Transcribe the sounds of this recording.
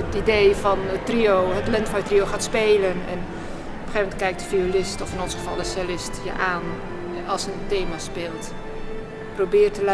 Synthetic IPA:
ətidejfɔnətriowɦətlɪntfanjətrioxaːtspeːlənɛ̰n | ɔpə̥xeːmɛntkɛjk̚dəfiolɪstɔfɪnɔnsχəvɑlˠdəslɪstjə̰ʔaːn | ɑlˠsənteːmaspɪːlˠt | probɪːrtəl

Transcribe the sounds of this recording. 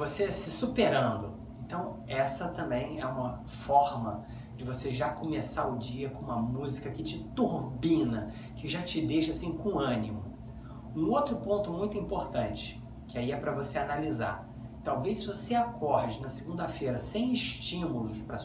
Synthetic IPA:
vosesɪsupeɾɐ̃nd̪ʊ | ẽnt̪ɐ̃w̃ɛsɐt̪ɐ̃mbẽj̃ɛũmɐ | fɔɾmɐ | d͡ʒɪvoseʒakomesaɾʊd͡ʒiɐkõũmɐmuzikɐkɪt͡ʃɪt̪uɾbĩnɐ | kɪʒat͡ʃɪd̪ejʃasĩkõɐ̃nimʊ | ũowt̪ɾʊpõnt̪ʊmũj̃t̪ʊĩmpoɾt̪ɐ̃nt͡ʃɪ̥ | kɪaiɛpɾɐvoseanaliza̰ɾ | t̪awvejsvoseakɔɾd͡ʒɪnɐseɡũnd̪ɐfejɾɐsẽj̃ɪʃt͡ʃĩmulʊspɾɐ

